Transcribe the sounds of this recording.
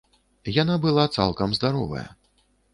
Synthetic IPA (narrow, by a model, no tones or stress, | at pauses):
janabɨlˠat̪sa̰lˠkɐmzd̪aɾɔvɐ̰jɐ̰